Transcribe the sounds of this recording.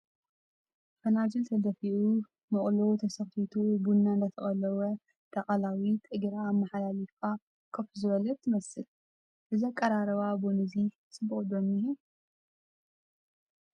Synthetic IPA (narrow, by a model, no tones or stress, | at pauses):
fɐnad͡ʒɨlt̪ʰɐd̪ɐfiʔu | mɨχʼlot̪ʰɐsɐxfit̪ʰubunːand̪ɐt̪ʰɐχʼɐlɐwɐ | t̪ʰɐχʼɐlawit̪ʼɨɡɾaːmːaħalalifka | kʰɐfuzɨβɐlɐt̪ʰːɨmɐsɨl | ʔɨziakʼːɐɾaɾɐβabonɨzi | sʼɨbɨχʼd̪omihu